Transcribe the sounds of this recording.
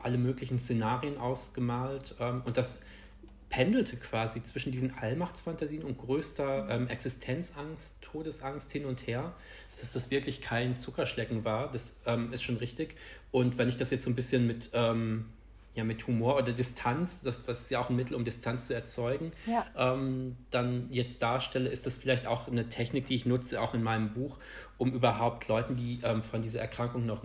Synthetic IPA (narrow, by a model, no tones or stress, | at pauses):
ʔa̰ləmøːklɪçn̩st͡senaːʁiənʔaʊsɡ̥əmaːltʔɛːmʊnt̚d̥as | pʰɛndl̩tʰəkv̥aːzit͡sv̥ɪʃn̩diːzn̩ʔalmaχt͡sfantaziːənʊnt̚ɡ̥ʁøːstɐʔɛːmʔɛksɪstʰɛnt͡sʔaŋstʰːoːdəsʔaŋsthɪnʊntheːɐ | zod̥asd̥asv̥ɪɐklɪçkʰaɪnt͡sʊkɐʃlɛkŋ̩vaːɐd̥asʔɛːmɪstʃoːnʁɪçtɪçʔʊntv̥ɛnɪçd̥asjɛt͡stz̥oːnbɪsçənmɪtʔɛːm | jaːmɪthumoːɐʔoːdɐdɪstʰant͡sd̥asasɪ̥stjaaʊxn̩mɪtʰl̩ʊmdɪstʰant͡st͡suɛɐt͡sɔʏɡŋ̩ʔɛːmd̥anjɛt͡st̚d̥aːɐʃtɛləʔɪstd̥asfɪlaɪçta̰ʊxnətʰɛçnɪk̚d̥iːɪçnʊt͡səaʊxɪnmaɪnəmbuːx | ʔʊmʔyːbɐɦaʊp̚tʰlɔʏtn̩diːʔɛːmfɔndiːzɐʔɛɐkʁ̥aŋkʊŋnɔχ